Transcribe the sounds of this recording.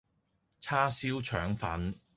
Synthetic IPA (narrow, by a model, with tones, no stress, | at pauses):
t͡sʰaː˥siː˥wt͡ʃʰœː˨˥ŋfɐ̰˨˥n